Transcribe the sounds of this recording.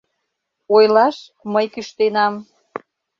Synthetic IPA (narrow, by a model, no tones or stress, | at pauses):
ojlɑʃ | məjkyʃt̪enɑm